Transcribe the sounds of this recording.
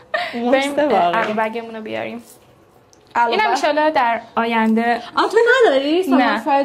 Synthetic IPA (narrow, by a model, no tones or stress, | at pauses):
beɾiːmeælɔbæɡemũnobijɒ̰ɾim | ʔælinhæmiʃɒlːɒd̪æɾɒːjænd̪eɒt̪ʰonæd̪ɒɾisonææ